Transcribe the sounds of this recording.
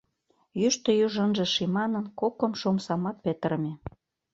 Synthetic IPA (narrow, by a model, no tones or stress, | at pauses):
jyʃt̪ə̆juʒənʒĕʃimɑnənkokə̆mʃomsɑmɑt̪̚pet̪ə̆ɾəmʲe